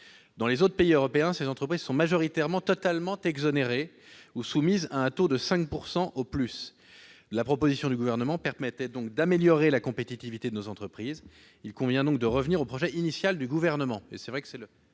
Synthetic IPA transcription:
d̪ɑ̃lezot̪χəpeiøʁɔpeɛ̃sezɑ̃t̪χəpχizsɔ̃maʒɔʁit̪ɛʁmɑ̃t̪ɔt̪almɑ̃t̪ɛɡzɔneʁe | usumizaɛ̃t̪od̪əsɛ̃k̚puʁsɑ̃ʔoplys | lapχɔpozisjɔ̃d̪yɡuvɛʁnəmɑ̃pɛʁmɛt̪ɛd̪ɔ̃kd̪ameljɔʁelakɔ̃pet̪it̪ivit̪ed̪ənozɑ̃t̪χəpχiz | ilkɔ̃vjɛ̃d̪ɔ̃k̚d̪əʁəvniʁopχɔʒɛʔinisjald̪yɡuvɛʁnəmɑ̃ḛsɛvʁɛkə̥sɛlə

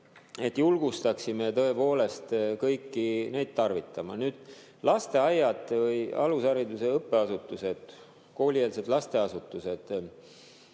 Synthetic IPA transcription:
e̞t̪ːjulɡ̥ust̪ɑksimet̪ɤ̞e̞po̞ːle̞st̪kɤjkːine̞jd̪̥̚t̪ɑrvit̪ːˑɑmɑ̰nyːd̪̥ | lɑst̪e̞ɑjːɑd̪vɤjɑ̰lusɑɾid̪use̞ɤpːe̞ɑsut̪ːˑuse̞d̪̥ | ko̞ːlʲieːlsed̪lɑst̪e̞ɑsut̪ːˑused̪̥

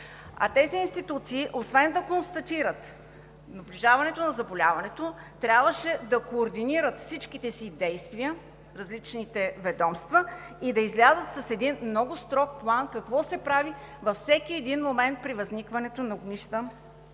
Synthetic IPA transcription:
ɐ̰t̪ɛziːnst̪it̪ut̪siːʔosvɛnd̪ɐkonst̪ɐt̪iɾət̪ | nɐblʲiʒavɐnɛt̪onɐzɐbolʲavɐnɛt̪ot̪ɾʲjabvəʃɛd̪ɐkoːɾd̪iniɾət̪fsit͡ʃkit̪ɛsid̪ɛjst̪viə | ɾɐzlit͡ʃnit̪ɛvɛd̪ɔmst̪vəid̪ɐizlʲazət̪sɐsɛd̪inmnɔɡʊst̪ɾɔk̚plˠankɐkvɔsɛpɾavivɐfsɛkiɛd̪inmomɛnt̪̚pɾivɐznikvɐnɛt̪onɐoɡniʃt̪ə

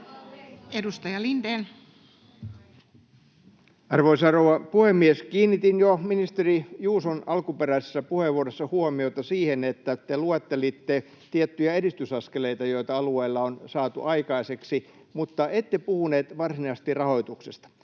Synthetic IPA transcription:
edust̪ɑjɑlindeːn | ɑrʋoisɑːrouʋɑpuhemːieskiːnːit̪injominist̪erijuːsonɑlkupeɾæisesːɑpuheʋːuoɾesːɑhuomiot̪ɑsiːhenet̪ːæt̪eluɑt̪ːelit̪ːe | t̪iet̪ːyjæeɾist̪ysɑskeleit̪ɑjo̞it̪ɑɑlueilːɑonsɑːt̪ṵʔɑikɑiseksi | mut̪ːɑʔet̪ːepuhuneːt̪ʋɑrsinɑst̪irrɑho̞it̪uksest̪ɑ̥

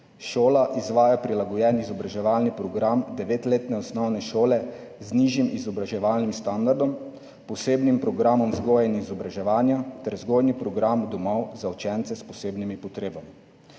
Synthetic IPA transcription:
ʃoːlaʔizʋaːjapɾilaɡɔjɛnizɔbɾaʒɛʋalnipɾɔɡɾamd̪ɛʋeːt̪leːt̪nɛɔsnɔwnɛʃoːlɛ | zniʒjimizɔbɾaʒɛʋalnimst̪and̪aɾd̪ɔm | pɔseːbnimpɾɔɡɾamɔmzɡojainizɔbɾaʒɛʋaːnjat̪ɛɾzɡoːjnipɾɔɡɾamud̪ɔmɔwzaut͡ʃɛnt̪sɛspɔseːbnimipɔt̪ɾeːbami

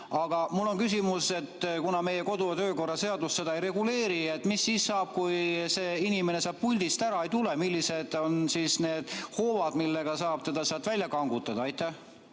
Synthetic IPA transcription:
ɑɡ̥ɑmulːo̞nkysʲimuse̞t̪kunɑme̞jeko̞d̪uɑt̪øːko̞rːɑse̞ɑd̪ust̪se̞d̪ɑejɾe̞ɡule̞ːɾiet̪misːiːssɑːb̥̚kujse̞ːinime̞ne̞sɑːb̥pulʲd̪̥ist̪æɾɑe̞jt̪ulemilʲːise̞d̪̥o̞nsisne̞ːd̪̥ho̞ːvɑd̪milːe̞ɡ̥ɑsɑːb̥̚t̪e̞d̪̥ɑsɑːt̪vælʲjɑkɑŋɡut̪ːˑɑd̪ɑɑjt̪ːˑæh

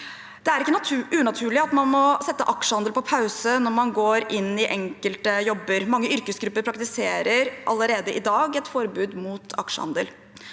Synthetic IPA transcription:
d̪̥ɛæɾɪkːənt̪ʉʔʉːnɑt̪ʰʉːɭɪɑt̪mɑnmɔsɛt̪ːəʔɑkʂəhɑnd̪əlpʰɔpʰɑʉsənɔɾmɑnɡoːɾʔɪnːɪʔɛŋkəlt̪əjɔbːəɾmɑŋːəʏɾkəsɡɾʉpːəɾpʰɾɑkt̪ɪseːɾəɾʔɑ̰lːəɾeːd̪əʔɪd̪ɑːɡɛt̪fɔɾbʉːd̪mut̪ʰɑ̰kʂə̰hɑ̰nd̪ə̰l

